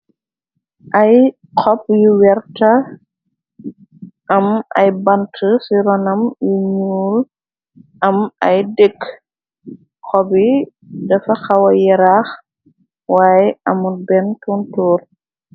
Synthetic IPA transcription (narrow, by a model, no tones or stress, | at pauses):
ʔɐj | qɔp̚juwɛɾtɐ | ʔɐmɐ̰jbɐntʰəsiɾɔnɐmjiɲuːl | ɐmɐjdɛkː | xɔbi | dɐfɐxɐwɐjɛɾax | waːjɛʔɐmubɛntuntɔːr